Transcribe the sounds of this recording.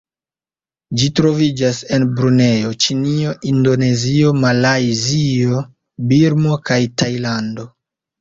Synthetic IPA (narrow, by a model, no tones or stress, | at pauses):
d͡ʒitɾo̞vid͡ʒase̞nbɾune̞jo̞t͡ʃinio̞ʔindo̞ne̞zio̞malajzio̞ | biɾmo̞kajtajlando̞